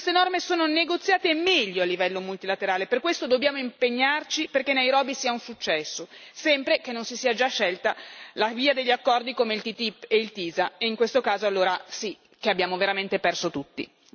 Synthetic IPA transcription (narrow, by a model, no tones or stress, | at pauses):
kst̪enɔrmesoːnoneɡot̪sːjaːt̪emɛʎːoalːivɛlːomult̪ilat̪eɾaːleperkwest̪od̪objaːmoimpeɲːart͡ʃiperkenːejɾɔːbisiːaunsut͡ʃːɛsːosɛmpɾekenːonsisiːad͡ʒaʃːɛlt̪alaviːad̪eʎːakːɔrd̪ikomeilt̪it̪ipːeilt̪iːzaeiŋkwest̪okaːzoalːoːɾasi | k̟eabːjaːmoveɾament̪epɛrsot̪ut̪ːḭ